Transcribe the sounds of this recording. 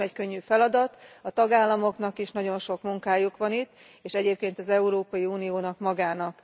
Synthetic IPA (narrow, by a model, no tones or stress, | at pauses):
ɛckøɲːyːfɛlɒd̪ɒt̪ɒt̪ɒɡaːlːɒmo̞knɒkiʃnɒɟo̞nʃo̞kmuŋkaːjukʋɒnit̪ː | eːʃɛɟeːp̚keːnt̪ɒzɛuɾoːpɒjiuːnijoːnɒkmɒɡaːnɒk